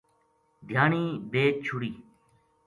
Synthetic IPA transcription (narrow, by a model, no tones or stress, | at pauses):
d̪ʱjaːniːbeːk̚t͡ʃʰʊɽiː